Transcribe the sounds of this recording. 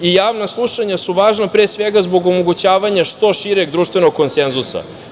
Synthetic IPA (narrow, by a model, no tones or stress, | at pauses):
ijaːʋnaslˠuʃaɲasuʋaːʒnapɾesʋeɡazbo̞ɡo̞moɡut͡ɕaːʋaɲaʃt̪o̞ʃiɾeɡd̪ɾuːʃt̪ʋenoɡ̚kːo̞nsenzusa̰